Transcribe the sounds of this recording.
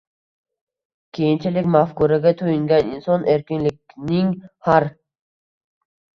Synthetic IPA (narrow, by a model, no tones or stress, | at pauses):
kʲʰejint͡ʃʰɪlɪkʲmafkuɾaɡʲat̪ʰojiŋɡʲaninsɔnʔeɾkʲinlɪk̚ʲ | nɪŋhaɾ